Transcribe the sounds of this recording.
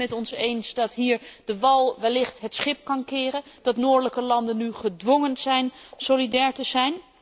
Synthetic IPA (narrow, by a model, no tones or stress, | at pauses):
ɛtɔnsejnsdɑtɦiːɹdəʋɑlˠʋɛlːɪχtɦətsχɪp̚kɑnkɪːrəd̥ɑtnʊːɹdələkəlɑndənyχədʋɔŋənz̥ɛjnsolidɛːɹtəzɛjn